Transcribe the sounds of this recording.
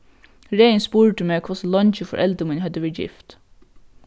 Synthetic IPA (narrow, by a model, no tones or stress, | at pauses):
ɹeɪnspuːɹɖəmeːkʰɔsəlɔnt͡ʃəfɔ̰ɹʔɛld̪əmɪnhœd̪əʋeːjɪ̰ft̪